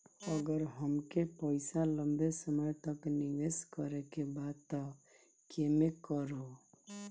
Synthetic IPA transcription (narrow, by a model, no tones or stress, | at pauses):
əɡəɾɦəmkepəjsaləmbesəmɔjt̪ɔkniɡeskəɾekebad̪̚t̪ɔ | kʰemekɔɾo